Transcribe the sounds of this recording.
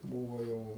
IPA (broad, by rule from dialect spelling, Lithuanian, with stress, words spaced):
ˈbuːʋoː ˈjɛʊ